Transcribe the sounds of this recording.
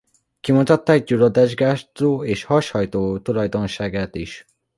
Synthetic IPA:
kimut̪ɒt̪ːaːɡɟulod̪aʒɡaːt̪oːeːʃhɒʃhɒjt̪oːt̪ulɒjd̪o̞nʃaːɡaːt̪iʃ

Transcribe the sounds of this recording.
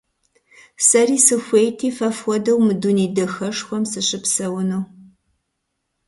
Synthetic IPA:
sɐriːsɨxʷejtʰiːfɐfwʷɔdɐwmɨduniːdɐxɐʂxʷɔmsɨɕɪpsɐwʊnɐw

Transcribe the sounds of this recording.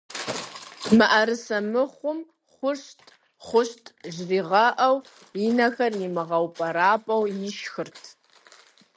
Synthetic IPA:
mɨʔɐɾɨsɐmɨχʷʊm | χʷʊʂtʼ | χʷʊɕtʼʒriːʁɐʔɐw | inɐxɐrnimɨʁɐwpʼɐɾaːpʼɐwjiʃxɨrtʰ

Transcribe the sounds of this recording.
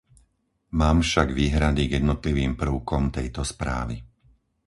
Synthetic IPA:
maːmfʃaɡʋiːɦɾad̪iɡjɛd̪nɔt̪liʋiːmpr̩ʊkɔmt̪ɛjt̪ɔspɾa̰ːʋi

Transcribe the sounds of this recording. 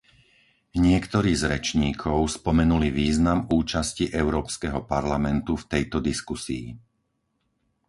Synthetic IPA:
ɲɪɛkt̪ɔɾiːzɾɛt͡ʃɲiːkʰɔʊspɔmɛnuliʋiːznamuːt͡ʃasciʔɛʊɾɔːpskɛɦɔpaɾlamɛnt̪uft̪ɛjt̪ɔd̪iskusḭː

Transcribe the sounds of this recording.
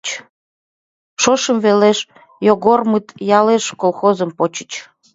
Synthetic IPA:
ʃoʃəmveleʃ | joɣormɨt̪jɑleʃkolxozəmpot͡ɕə̥t͡ɕ

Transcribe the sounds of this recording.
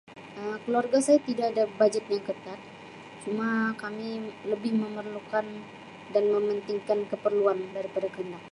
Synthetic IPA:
ʔəmkəluarɡasajat̪idaːdabad͡ʒət̪̚jaŋkət̪at̪̚ | t͡ʃumakamiləbɪhməmərlukan | danməmənt̪iŋkankəpərluandaɾipadakəəndak̚

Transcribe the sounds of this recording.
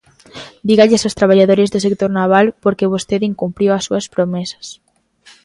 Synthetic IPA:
d̪iɣaʎɪsost̪ɾaβaʎaðoɾezðosek̚t̪oɾnaβ̞alpoɾkeβ̞ost̪eðiŋkumpɾiwasːuaspɾomɛsḁs

